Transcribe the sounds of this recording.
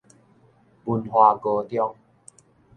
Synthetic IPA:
pu˧nhwa˧ko˧t̪jɔ˥˧ŋ

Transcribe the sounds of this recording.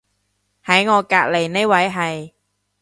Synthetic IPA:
hɐ˨˥jŋɔː˨˧kaː˧k̚le˨˩jne˥wɐ˨˥jɦɐ˨j

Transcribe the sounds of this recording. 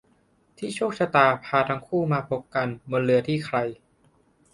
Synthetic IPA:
t̪ʰiː˥˩t͡ɕʰuː˥˩k̚sʰa˧t̪aː˨˩pʰaː˧t̪ʰa˧ŋkʰuː˥˩maː˧pʰo˧˦˥k̚ka˧nmo˧nlɯ˧ɐt̪ʰiː˥˩kʰɾa˧j

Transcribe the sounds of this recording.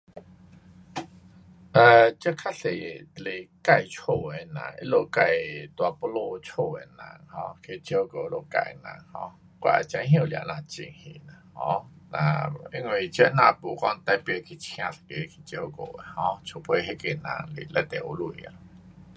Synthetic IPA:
ʔə˧˨t͡ɕə˦kʰa˦˥ɬe˨le˨˩ka˧˨jt͡ɕʰo˧˨e˨nã̰˨˩ŋḭ˦˥lo˧˨ka˧˨jt̪wa˨po˧lo˧t͡ɕʰo˧˨e˨˩nã̰˨˧˩ŋhɔ̃˧˦kʰe˧t͡ɕə˧˦ko˨˧lo˧˨ka̰˧˩˨nã̰˧˩˨ŋhɔ̰̃˧˦ | kwa̰˧˨t͡ɕã˧˦ɦə̃˧˨la̰˨nã˧˨t͡ɕḭ˧˩ŋhḭ˧˨nã˨hɔ̃˧˦nã̰˧i˧˥ŋwi˨˩t͡ɕə˦nã˧˨pu˨kɔ˧ŋt̪a˧˦jpjkʰi˨t͡ɕʰj̃ã˧t̪ʰḁ˨ke˧˦˧kʰi̥˨˩t͡ɕə˧ko̰˨e˨hɔ̃˧˦t͡ɕʰo˧˩pʰwe˧˨ɦe˦ke˧˩nã̰˧˩ŋli˨la˧˩t̪ɛ˨u˧˦lu˧˨a̰˨

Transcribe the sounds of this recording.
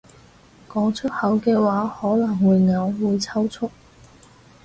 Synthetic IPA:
kɔː˨˥ŋt͡ʃʰɵ˥t̚hɐ˨˥wkɛː˧waː˨˥hɔː˨˥lɐ˨˩ŋwuː˨˧jŋɐ˨˧wːuː˨˧jt͡sʰɐ˥wt͡ʃʰʊ˥k̚

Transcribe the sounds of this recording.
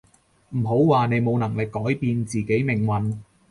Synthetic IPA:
m̩˨˩ɦo˨˥wwaː˨ne˨˧jmo˨˧wnɐ˨˩ŋlɪ˨kːɔː˨˥jpiː˨˧nt͡siː˨˩ke˨˥jmɪ˨˩ŋwɐ˨n

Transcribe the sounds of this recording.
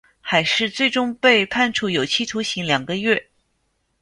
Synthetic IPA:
xa˧˥ɪʂɻ̩˥˧t͡swe˥˩ɪʈ͡ʂʊ˥ŋpe˥˧ɪpʰa˥˧nʈ͡ʂʰu˥˩jo˨˩ʊt͡ɕʰi˥˩t̪ʰu˧˥ɕi˧˥ŋljɑ˨˩ŋɡə˦ɥɛ˥˩

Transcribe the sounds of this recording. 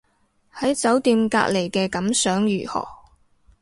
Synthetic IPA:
hɐ˨˥jt͡sɐ˨˥wt̪iː˧mka̰ː˧k̚le˨˩jkɛː˧kɐ˨˥msœː˨˥ŋjyː˨˩hɔ̰ː˨˩

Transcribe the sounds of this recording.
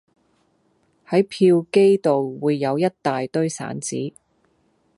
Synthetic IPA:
hɐ˨˥jpʰiː˧wke˥jt̪o˨wwuː˨˧jːɐ˨˧wjɐ˥t̚t̪aː˨jt̪ɵ˥ɥsa̰ː˨˥nt͡sḭː˨˥

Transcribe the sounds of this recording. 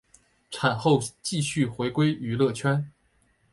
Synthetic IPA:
ʈ͡ʂʰa˨˩nxo˥˧ʊt͡ɕi˥˧ɕy˥˩xwe˧˥ɪkwe˥ɪy˧˥lɤ˥˩t͡ɕʰɥɛ˥n

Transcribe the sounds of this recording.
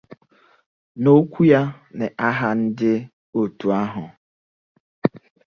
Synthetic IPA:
no˦kʷu˦ja˦ | nɛ˨ʔa˦ɦa˦n̩˦dɪ˦ | o˨tu˨a˦ɦʊ˨

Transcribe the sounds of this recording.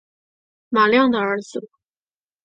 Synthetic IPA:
ma˨˩ljɑ˥˩ŋd̪ə˩ə˞˧˥d͡z̩˧

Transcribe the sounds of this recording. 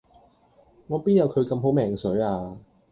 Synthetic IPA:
ŋɔː˨˧piː˥jɐ˨˧wkʰɵ˨˧ɥkɐ˧mɦo˨˥wmɛː˨˩ŋsɵ˨˥ɥaː˧

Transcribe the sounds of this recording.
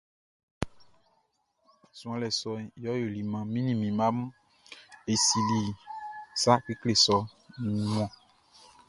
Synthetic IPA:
sũ˨ã˨lɛ˨sɔ˨jɔ˦jo˨li˨mã˨mĩ˦nĩ˦˨mĩ˨mã˦m˦ | e˨si˨li˨sa˦ki˦kle˨sɔ˨ | nĩ˨mɔ̃˨

